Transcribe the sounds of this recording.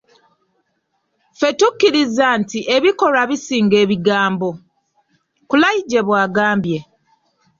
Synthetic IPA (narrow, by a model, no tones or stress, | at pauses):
fe̞tukːiɾizaːntiʔe̞βiko̞ɾaβisiːŋɡe̞ːβiɡaːmbo̞ | kulajiɟe̞βwaːɡaːmbje̞